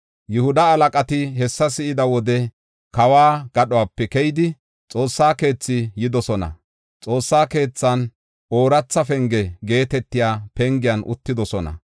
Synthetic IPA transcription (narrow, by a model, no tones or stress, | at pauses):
jʊhʊd̪ɐːlɐkʼɐt̪ɪɦɛsːɐsɪʔɪd̪ɐwɔd̪ɛ | kɐwaːɡ̥ɐɗɔaːpːɛkɛjɪd̪ɪ | t͡sʼo̞ːsːaːke̞ːt͡sːɪjɪd̪ɔsɔnɐ̰ | t͡sʼo̞ːsːaːke̞ːt͡sːɐn | ʔo̞ːɾɐt͡sːɐfɛŋɡɛɡe̞ːt̪ɛt̪ːɪjaːpɛŋɡɪjɐnʔʊ̰t̪ːɪd̪ɔsɔnɐ̰